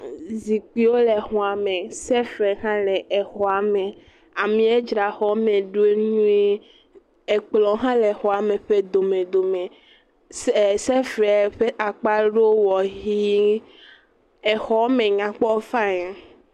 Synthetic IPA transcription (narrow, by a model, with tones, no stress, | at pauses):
zi˨k͡pi˦wo˦le˨ɦɔ̃˨a˨mẽ˨sɛ˦fɛ˨ɦã˦lɛ˨e˨xɔ˨a˨me˨ | a˨mĩ˨˦ɛ˦d͡ʒɾa˨xɔ˨˦mẽ˨ɖu˦e˦ɲũ˦e˦ | e˨k͡plɔ̃˨˦ɦã˦le˨xɔ˨a˨mẽ˨ɸe˦d̪o˨mẽ˨d̪o˨mẽ˨ | sɛ˦fɛ˨ɸe˦ʔa˨k͡pa˦ɖo˦wɔ˨ɦi˦ | e˨xɔ˨˦mẽ˨ɲã˨k͡pɔ˦fã˦ɲe˨˦